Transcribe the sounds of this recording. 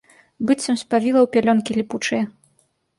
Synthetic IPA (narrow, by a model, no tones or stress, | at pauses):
bɨt͡sʲsʲɐmsʲpavʲilˠɐwpʲalʲɔnkʲilʲiput͡ʂɨjɛ